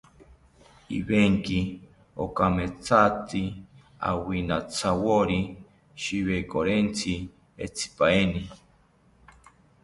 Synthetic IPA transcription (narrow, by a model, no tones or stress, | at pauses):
ḭβeŋki | o̰kamet͡sʰat̪i | a̰winat͡sʰawoɾi | ʃiβekoɾent͡sʰi | ḛt͡sʰi̥paeni